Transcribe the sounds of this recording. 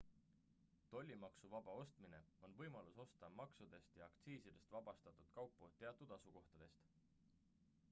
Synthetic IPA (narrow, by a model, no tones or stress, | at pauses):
t̪o̞lʲːimɑksuvɑb̥ɑo̞st̪mine̞o̞nvɤjmɑluso̞st̪ɑmɑksud̪e̞st̪jɑːkt̪siːsid̪̥e̞st̪vɑb̥ɑst̪ɑt̪ˑud̪̥kɑwpːˑot̪ːe̞ɑt̪ːˑud̪̥ɑsuko̞ht̪ɑd̪̥e̞st̪